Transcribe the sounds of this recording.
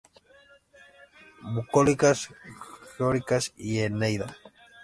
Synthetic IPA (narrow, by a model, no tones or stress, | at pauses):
bukolikasxeoɾikasienejða